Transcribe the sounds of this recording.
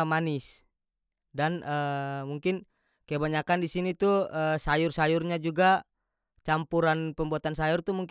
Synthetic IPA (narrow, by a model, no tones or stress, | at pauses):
manɪs | danəmuŋkɪn | kajabaɲakandisinit̪uəsajʊrsajurɲad͡ʒuɡa | t͡ʃampuɾanpəmbuat̪ansajʊrt̪umuŋk